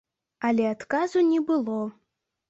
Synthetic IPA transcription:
alʲɛat̪kazunʲɛbɨlˠɔ

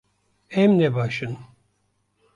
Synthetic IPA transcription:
ɛmnɛbaːʃɨn

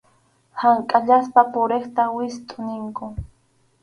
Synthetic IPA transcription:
haŋkʼaʎaspapʊɾeχt̪awɪst̪ʼʊnɪŋkʊ

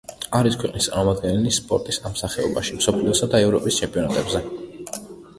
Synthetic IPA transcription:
aɾiskʰwɛqʼnist̪sʼa̰ɾmɔmad̪̚ɡɛnɛlispʼɔɾt̪ʼisamsaχɛɔbaʃimsɔpʰliɔsad̪aɛvɾɔpʼist͡ʃʰɛmpʼiɔnat̪ʼɛbzɛ

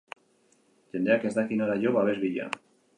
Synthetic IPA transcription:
t̪end̪eakezðakinaɾaʎoβaβezβiʎa̰

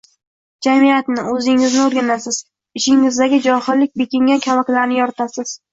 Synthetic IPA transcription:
d͡ʒamijat̪nɪɵzɪŋɪznɪoɾɡʲanasɪz̥ | ɪʃɪŋɪzd̪aɡʲɪd͡ʒɒhɪlːɪk̚ʲbekʲɪŋʲankʲʰalˠakʲlaɾnɪjɒɾɪt̪ʰasɪz̥

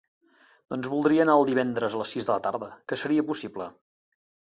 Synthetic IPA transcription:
d̪̥ɔnzβulˠd̪ɾiəːnaəlˠd̪iβ̞ɛnd̪ɾəzələsizðələt̪aɾðəkəsəɾiəpusiblə

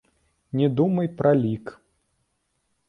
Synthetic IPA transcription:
nʲɛd̪umɐjpɾʔɐlʲik

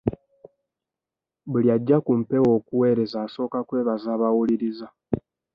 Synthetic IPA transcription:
bulijaɟːakumpe̞wo̞ːkuwe̞ːɾe̞zaːso̞ːkakwe̞ːβazaːβawuliɾiza

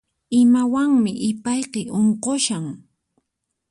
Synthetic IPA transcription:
ɪmawaŋmɪʔɪpajqeʔoɴqoʃaŋ

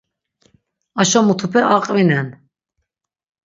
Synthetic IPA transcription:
aʃɔmut̪ʰupʰɛʔaqʼvinɛn

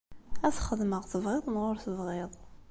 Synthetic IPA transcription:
æθχəd̪məʁθəvʁeðˤnʁʊɾθəvʁɪðˤ

